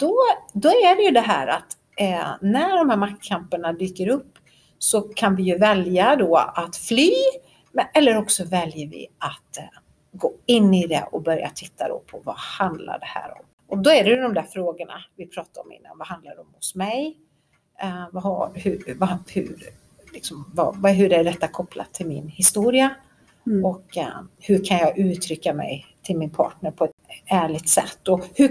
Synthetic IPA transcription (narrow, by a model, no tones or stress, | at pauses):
d̪̥ɔd̪ɔæɖɛjɵd̪ɛɦæ̰ːɾat̪ | næɖɔmhæːɾmak̚t̪kʰampəɳad̪yːkəɾɵpː | sɔkʰanvɪjɵvɛljad̪ɔːat̪flyː | mɛlːəɾɔksɔvɛljəɾvɪ̰at̪ | ɡoːɪnːɪd̪ɛ̰ʔɔbœɾja̰t̪ʰɪt̪ʰːad̪ɔ̰pʰɔvahand̪la̰ɖɛhæ̰ːɾɔ̰m | ʔɔd̪ɔæɖɛjɵd̪ɔmd̪æːɾfɾoːɡəɳa̰vɪpʰɾɑːt̪aɾɔ̰mɪ̰nːa̰nvaɦand̪laɖɛɔmhʊsmɛj | vahahɵɾvahɵ̰ɾ | lɪksɔmvavaɦɵɾæɖɛt̪ːakʰɔpla̰t̪ʰːɪlmɪnhɪst̪uːɾɪa | ɔkhɵɾkʰanjɑːɡʉ̟ːt̪ʰɾʏkːamɛ̰jt̪ʰɪlmɪnpʰɑ̰ːʈɳəɾpʰɔɛt̪æːɭɪt̪sɛ̰t̪ːɔhɵ